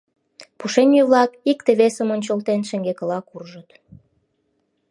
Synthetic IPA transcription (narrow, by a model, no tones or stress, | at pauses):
puʃenʲjyβlɑkikt̪eβesəmonʲt͡ɕəlt̪enʃĕŋɡekə̆lɑkurʒət̪